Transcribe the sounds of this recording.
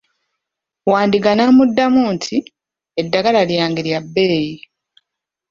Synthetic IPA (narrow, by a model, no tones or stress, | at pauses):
waːndiɡanamudːamuːntʰi | edːaɡalaljaːŋɡeɾjabːeːji